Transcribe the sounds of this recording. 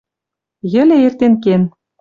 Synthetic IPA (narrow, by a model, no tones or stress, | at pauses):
jɘ̆lʲĕert̪enken